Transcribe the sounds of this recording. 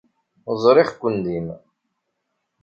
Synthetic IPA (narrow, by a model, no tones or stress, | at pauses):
zˤɾˤɪχkʷːənd̪im